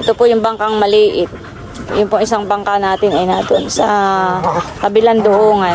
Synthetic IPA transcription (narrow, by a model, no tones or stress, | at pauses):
ɛt̪opojʊŋbɐŋkaŋmɐliːʔɪt̪̚ | jʊnpʊŋɪsaŋbɐŋkanaːt̪ɪnɐjnad̪ʊnsɐ | kɐbɪland̪ʊhoːŋa